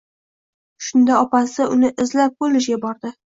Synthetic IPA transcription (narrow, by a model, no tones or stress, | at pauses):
ʃʊnd̪aɒpasɪʊnɪʔɪzlap̚bolɪʃ̬ɡʲabɒɾd̪ɪ